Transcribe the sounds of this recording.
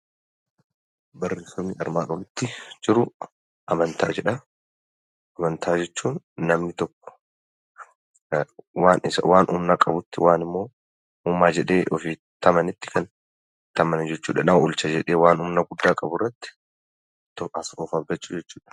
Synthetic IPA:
bɐrːeːsɐmːiːɐ̰ɾmaːkɔlʊt̪ːɪd͡ʒɪɾʊ | ʔɐmɐnt̪aːd͡ʒɛᶑɐ | ɐmɐnt̪ʰaːd͡ʒɛt͡ʃːuːnː | ɐmnɪt̪ɔkːɔ̥ | waːnɪsɐ̰waːnʔṵːmnakʼɐbʊt̪ːɪwaːnɪmːo̞ː | uːmːaːd͡ʒɛᶑe̞ːʔɔfiː | t̪ɐmɐnɪt̪ːɪ̥kɐn | t̪ɐmɐnd͡ʒɛt͡ʃːuːᶑɐnɐʊlt͡ʃɐd͡ʒɛᶑe̞ːwaːnʊmnɐɡʊd̪ːaːkʼɐbʊrːɐt̪ːɪ̥ | t̪ɔɐsɔfɐbɐt͡ʃːʊd͡ʒɛt͡ʃːu̥ːᶑɐ̥

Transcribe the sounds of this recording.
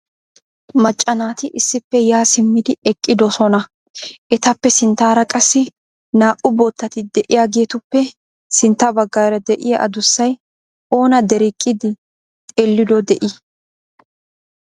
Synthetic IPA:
mɐt͡ʃʼːɐnaːt̪ɪʔɪsːɪpːɛjaːsɪmːɪd̪ɪɛkʼːɪd̪ɔsɔnɐ | ʔɛt̪ɐpːɛsɪnt̪ːaːɾɐkʼɐsːɪ | naːʔʊbot̪ːɐt̪ɪd̪ɛʔɪjaːɡeːt̪ʊpːɛ | sɪnt̪ːɐbɐɡːaːɾɐd̪ɛʔɪjɐʔɐ̰d̪ʊsːɐj | o̞ːnɐd̪ɛɾɪkʼːɪd̪ɪ | t̪ʼelːɪd̪ɔd̪ɛʔɪ

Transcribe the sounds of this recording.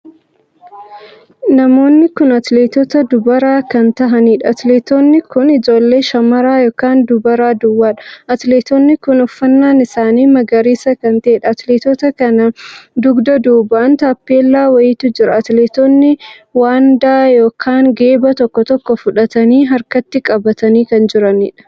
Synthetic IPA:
nɐmo̞ːnːɪkʊnɐt̪leːt̪ɔt̪ɐd̪ʊbɐɾaːkɐnt̪ɐɦɐniːᶑɐɐt̪leːt̪ɔnːɪkʊnɪd͡ʒo̞ːlːe̞ːʃɐmɐɾaːjoːkaːnd̪ʊbɐɾaːd̪ʊwːaːᶑɐ̥ɐt̪leːt̪ɔnːɪkʊnʊfːɐnːaːnɪsaːniːmɐɡɐɾiːsɐkɐnt̪ɐeːᶑɐɐt̪leːt̪ɔt̪ɐkɐnɐd̪ʊɡd̪ɐd̪uːbaːnt̪aːpːe̞ːlːaːwɐjɪt̪ʊd͡ʒɪɾɐɐt̪leːt̪onːɪwaːnd̪aːjo̞ːkʰaːŋɡe̞ːbɐt̪ɔkːɔt̪ɔkːɔfʊᶑɐt̪ɐniːɦɐɾkɐt̪ːɪkʼɐbɐt̪ɐniːkɐnd͡ʒɪɾɐnḭːᶑɐ̥

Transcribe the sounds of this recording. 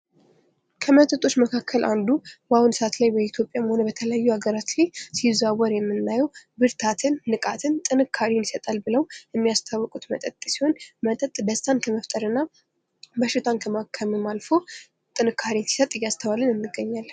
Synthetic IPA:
kʰəmət̪ʼət̪ʼo̞t͡ʃːməkʰakʰːəlʔand̪ubahunsəat̪lajbəit̪ʰjo̞pʼjamho̞nəbət̪ʰələjajːuhaɡəɾat͡ʃlajsizawəɾjɛmːɨnːajɛwbɨɾt̪ʰat̪ʰɨnːɨkʼat̪ʰɨnt̪ʼɨnɨkʰːaɾinisət̪ʼalbɨləwjɛmːijast̪ʰawːɔkʼut̪mət̪ʼət̪ʼːsiho̞nmət̪ʼət̪ʼbəst̪ʰankʰəməft̪ʼəɾɨnːa | bəʃɪt̪ʰankʰəmakʰːəmimalfo̞ | t̪ʼɨnɨkʰːaɾinsi̥sət̪ʼjast̪ʰəβalɨnɨnːɨɡːəɲːalː

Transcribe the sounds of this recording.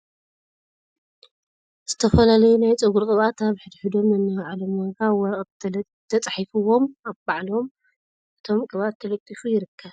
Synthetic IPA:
z̥ɨt̪ʰɐfɐlalɐjunajt͡sʼɨɡuɾkʼɨβat̪aβħɨd̪ħɨd̪o̞mɨnːɨʕalomwaɡawɔɾɐʔʼ | t̪ʰːɐt͡sʼɐħifɨwo̞maβbaʕlom | ʔɨt̪ʰo̞mkʼɨβat̪ʰːɐlɐt̪ʼːifujɪɾɨkʰːɐβ

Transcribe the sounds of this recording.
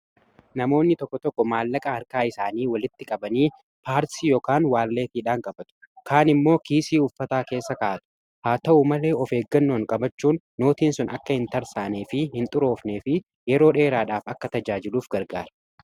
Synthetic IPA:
nɐmo̞ːnːɪt̪ɔkːɔt̪ɔkːɔmaːlːɐkʼɐhɐɾkaːɪsaːniːwɐlɪt̪ːɪkʼɐbɐniː | paːɾsiːjoːkaːnwaːlːe̞ːt̪iːᶑaːŋkʼɐbɐt̪ʊ̥ | kʰaːnɪmːo̞ːkiːsiːʊfːɐt̪aːke̞ːsːɐkaːɐt̪ʊ̥ | haːt̪ɐʔʊmɐle̞ːɔfe̞ːɡːɐnːoːŋkʼɐbɐt͡ʃːuːnːoːt̪iːnsʊnɐkːɐhɪnt̪ɐɾsaːne̞ːfɪhɪnt̪ʼʊɾo̞ːfne̞ːfɪ | jɛɾo̞ːᶑe̞ːɾaːᶑaːfɐkːɐt̪ɐd͡ʒaːd͡ʒɪluːfɡɐɾɡaːɾɐ

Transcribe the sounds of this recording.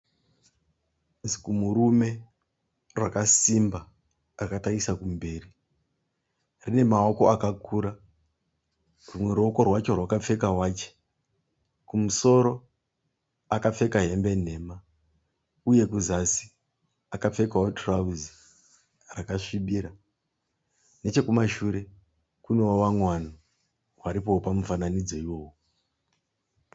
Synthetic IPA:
zikumuɾume̞ | rwakasimba | rakataisakumbe̞ːri | rine̞mao̞ko̞akakʰuːɾa | rumwe̞ɾoko̞rwat͡ʃo̞rwakap͡fe̞kawaːt͡ʃe̥ | kumuso̞ɾo̞ | akap͡fe̞kaɦe̞mbe̞n̤e̞ːma | uje̞kuzasi̥ | akap͡fe̞kawotʰrauzi | rakaʂiɓiːɾa | ne̞t͡ʃe̞kumaʃuɾe̞ | kunewowamwano | waɾipo̞ːpamufananid͡zo̞iwo̞ːwo

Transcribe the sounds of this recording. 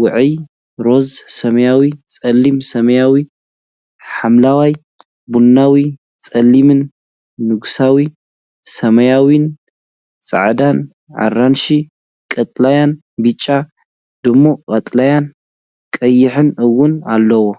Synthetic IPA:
wɨʕɨj | ɾo̞zsɐmɐjawit͡sʼɐlːimsɐmɐjawi | ħamlawaj | bunːawi | t͡sʼɐlːimɨnː | ɨɡsawi | sɐmɐjawin | t͡sʼa̰ʕd̪an | ʕa̰ranʃi | kʼɐt̪ʼlajan | bɨt͡ʃʼːa | d̪̥ɨmːo̞kʼɐt̪ʼlajan | kʼɐjːɪħɨnɨwːʊnalːɐwo

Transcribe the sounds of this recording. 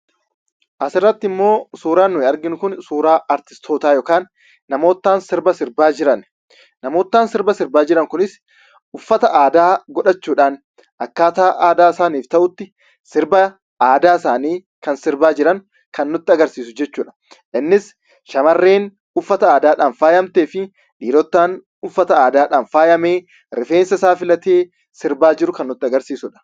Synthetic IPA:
ʔɐsɪrːɐt̪ːɪɪmːo̞ːsuːɾaːnːʊhɪɐɾɡɪnʊkʊnsuːɾaːɐɾt̪ɪ̥st̪ʰo̞ːt̪aːjoːkaːnː | ɐmo̞ːt̪ːaːnsɪɾbɐsɪɾbaːd͡ʒɪɾɐn | nɐmo̞ːt̪ːaːnsɪɾbɐsɪɾbaːd͡ʒɪɾɐŋkʊnɪs | ʊfːɐt̪ɐʔaːd̪aːɡɔᶑɐt͡ʃːuːᶑaːn | ʔɐkːaːt̪aːʔaːd̪aːɪsaːniːft̪ɐʔʊt̪ːɪ | sɪɾbɐ | aːd̪aːɪsaːniː | kɐnsɪɾbaːd͡ʒɪɾɐn | kɐnːɔt̪ːɪɐɡɐɾsiːsʊd͡ʒɛt͡ʃːuːᶑɐ̥ | ʔɪnːɪs | ʃɐmɐrːe̞ːn | ʊfːɐt̪ɐaːd̪aːᶑaːnfaːjɐmt̪eːfɪ | ᶑiːlɔt̪ːaːn | ʊfːɐt̪ɐaːd̪aːᶑaːnfaːjɐme̞ː | ɾɪfe̞ːnsɐsaːfɪlɐt̪eː | sɪɾbaːd͡ʒɪɾʊkɐnːʊt̪ːɪɐɡɐɾsiːsʊᶑɐ̥

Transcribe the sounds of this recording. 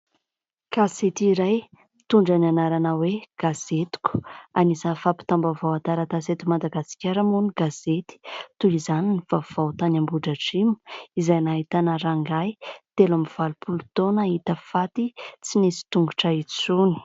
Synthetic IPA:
kazet̪iɾaj | t̪uɳɖ͡ʐananaɾanaweɡ̥az̥et̪u̥ku̥anisəfapi̥t̪ambavawat̪aɾat̪aset̪imad̪aɡasi̥kʲaɾamuniɡ̥az̥et̪i̥t̪ulizaniniv̥av̥awt̪anambuɖ͡ʐaʈ͡ʂimu̥izajnaɦit̪anəɾaŋɡajt̪elamiv̥alupʰulut̪onaɦit̪əfat̪it͡sinisi̥t̪uŋɡuʈ͡ʂait͡suni̥

